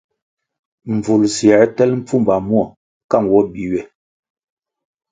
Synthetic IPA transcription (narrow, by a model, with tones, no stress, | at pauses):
m̩˨b͡vu˨lsjɛ˨˦tɛ˦lm̩˦p͡fu˦mba˨mwɔ˨ | ka˦˨ŋ˨wɔ˦bi˨wɛ˨